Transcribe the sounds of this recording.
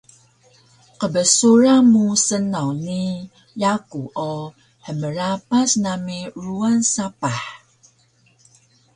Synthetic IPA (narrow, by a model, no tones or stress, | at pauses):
qəbəsuɾamusənawni | jakuʔo | ħəməɾapasnamiɹuansapaħ